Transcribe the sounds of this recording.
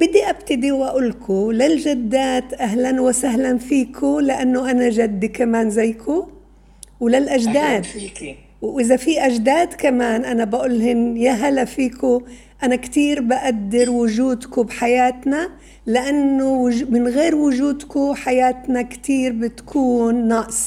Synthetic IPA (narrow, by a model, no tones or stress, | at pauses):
b̥ɪd̪ːiʔabt̪ɪd̪iwʔaʔʊlkʰʊlɪlʒad̪ːaːt̪ʔaɦlanwasaɦlanfiːkʰʊlɪʔanːʊʔanaʒad̪ːikamaːnzajkʰʊ | wlɪlʔaʒd̪aːd̪ | wʔɪzafiʔaʒd̪aːd̪kamaːnʔanabaʔʊlːɦɪnjaɦalafiːkʊ | ʔanakt̪iːɾbaʔad̪ːɪɾwʊʒuːd̪kʊbħajaːt̪na | lɪʔanːʊwmɪnɣeːɾwʊʒuːd̪kʊħajaːt̪nakt̪iːɾbɪt̪kʰuːnːɑʔsˤ